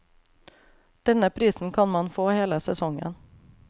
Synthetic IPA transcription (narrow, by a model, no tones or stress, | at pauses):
d̪̥ɛnəpʰɾiːsn̩kʰɑnmɑnfoːheːləsɛsɔŋə̰n